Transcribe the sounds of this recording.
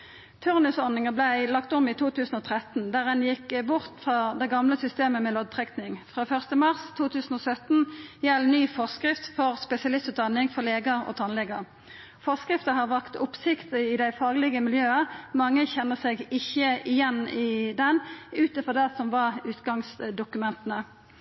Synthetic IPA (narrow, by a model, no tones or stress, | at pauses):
t̪ʰʉʁnʉsɔnɪŋəblæɪlɑkt̪ʊmɪt̪ʰuːt̪ʰʉːsn̩ɔːt̪ʰʁɛt̪nd̪æːʁɛnjɪkːbʊʁt̪fʁɑd̪æɪɡɑmləsʏst̪eːməmɛlɔd̪̚t̪ʰʁɛknɪŋfʁɑːfœʁst̪əmɑʁst̪ʰuːt̪ʰʉːsn̩ɔsœt̪njɛlːnyːfɔʁskʁɪft̪fɔʁspɛsɪɑlɪst̪ʉːt̪̚d̪ɑnɪŋfɔʁleːɡəʁɔ̰ːt̪ʰɑnlɛɡəʁ | fɔskʁɪft̪əhɑʁʋæʁkt̪ʊpsɪkt̪əɪd̪æɪfɑːɡlɪɡəmɪljøːəmɑŋːəçɛnːəʁsɛɡɪçːəɪjɛnɪd̪ɛnʉːt̪əfɔʁd̪æsɔmʋɑʁʉːt̪ɡɑŋsd̪ʊkʉmɛnt̪ənə